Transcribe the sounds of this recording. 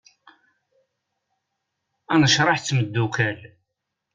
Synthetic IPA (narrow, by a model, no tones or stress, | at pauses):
ænəʃɾˤɑħt͡sːməd̪ːukæl